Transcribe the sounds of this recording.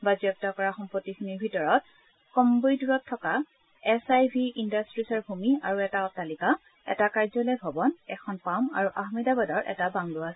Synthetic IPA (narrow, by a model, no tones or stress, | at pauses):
bazɔk̚takɔɹaxɔmpotːixʰiniɹbʱitɔɹɔt | kɔmbojduɹɔtʰːɔka | ɛsajbʱiindastɹisɔɹbʱumiaɹuɛtatalika | ɛ̰takaɹzɔlejbʱɔbɔnɛkʰɔnpama̰ɹuʔaxmidabadɔɹʔɛ̰tabaŋlɔasɛ